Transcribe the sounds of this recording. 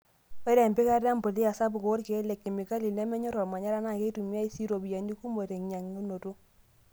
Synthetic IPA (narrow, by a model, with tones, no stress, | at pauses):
ɔ˦ɾɛ˨mbi˦ka˦ɾja˦mbo˨li˦a˨sa˦bu˨ko˨o˦ɾke˨˦lɛ˨kːi˨mi˨ka˦li˨lnɛ˦mɛ˦ɲɔ˦ɾɔ˨ma˨ɲa˦ɾa˦na˨ke˦i˦tu˨mja˦i˦si˦ɾo˨bi˨ja˨ni˦ku˦mo˨ɾe˨ŋɲa˨ŋu˦no˨tu˦